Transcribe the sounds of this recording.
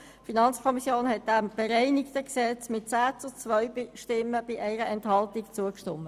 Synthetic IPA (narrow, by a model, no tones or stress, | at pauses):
finɑnt͡skʰɔmisjoːnɦɛt̚d̥æmb̥eɾɛɪnɪktəksɛt͡smɪt̚t͡saːt͡sʊt͡sʋœʏbɪʃtɪmːəb̥ɪʔɛɪɾəɛnthɑltɪkt͡suəkʃtɔmːə